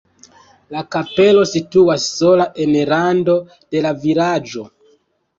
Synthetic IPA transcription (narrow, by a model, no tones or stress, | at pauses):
lakape̞lo̞situasːo̞laʔe̞nɾando̞ | d̥e̞laviɾad͡ʒo̞